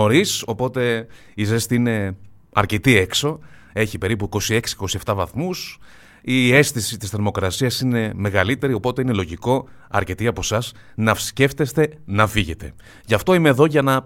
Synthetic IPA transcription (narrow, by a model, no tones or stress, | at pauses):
o̞ɾiso̞po̞t̪e̞ | izest̪iine̞ | ɐ̰ɾce̞t̪ie̞kso̞ | e̞çipe̞ɾipuiko̞sie̞ksi̥e̥ko̞sie̞ft̪ɐvɐθmus | ie̞st̪isit̪isθeɾmo̞kɾɐsiɐsine̞me̞ɣɐlit̪e̞ɾio̞po̞t̪e̞ine̞lo̞ʝiko̞ | ɐ̰ɾce̞t̪iɐpo̞sɐs | nɐfsce̞ft̪e̞st̪e̞nɐfiʝe̞t̪e̞̰ | ʝɐft̪o̞ime̞ːðo̞ʝɐnɐ